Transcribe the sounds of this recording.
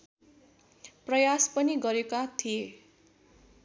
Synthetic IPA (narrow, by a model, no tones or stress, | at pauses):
prʌjaspʌniɡʌɾekat̪ʰije